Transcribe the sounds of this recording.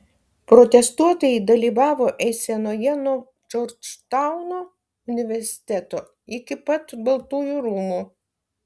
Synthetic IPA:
pɾɔt̪ʲɛst̪uɔt̪ojɪd̪ɐlʲiːʋɑːʋoːʔɛsʲɛnoːjɛnuɔ | d͡ʒɔɾʲt͡ʃt̪ɑʊnoː | ʊnʲɪʋʲɛɾʲsʲɪ̥t̪ʲæt̪oː | ɪkʲɪpɐt̪bɐlˠt̪uːjuɾuːmu

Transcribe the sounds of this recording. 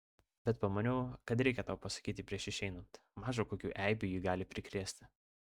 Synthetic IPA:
bʲɛt̪̚pɐmɐnʲɛʊkɐt̪ɾʲɛɪkʲɛt̪ɑˑʊpɐsɐ̥kʲiːt̪ʲɪpʲɾʲiɛʃɪʃʲɛɪnɐnt̪ | mɑːʒoːkoːkʲuːʔæˑɪbʲuːjiːɡɑːlʲɪpʲɾʲɪkɾʲiːsʲt̪ʲɪ

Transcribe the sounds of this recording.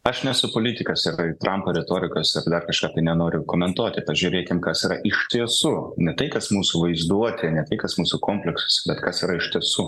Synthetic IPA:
ɐʃnʲɛsʊpoːlʲit̪ʲɪkɐsɪɾɪt̪ɾʔɐmpoːɾʲɛt̪oːɾʲɪkoːsɪrd̪ɐrkɐʃkɑːt̪ɐɪnʲɛnoːɾʲʊkoːmʲɛnt̪uɔt̪ʲɪpɐʒʲʊːɾʲeːkʲɪmkɐsiːɾɐʔɪʃʲt̪ʲiɛsuːnʲɛt̪ɐɪkɐsmuːsuʋɐɪzd̪uɔt̪ʲɪɐnʲɛt̪ɐɪkɐsmuːsukoːmʲpʲlʲɛksʊ̥sʲɛbʲɛt̪kɐsiːɾɐɪʃʲt̪ʲiɛsuː

